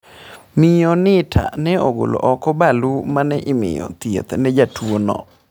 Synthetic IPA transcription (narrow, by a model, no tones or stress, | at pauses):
mɪjɔnɪtʰa̰nɛoɡo̰lo̰ʔɔkɔbalumanɛʔɪmɪ̰jɔ̰t̪iḛt̪nɛd͡ʒatuonɔ̰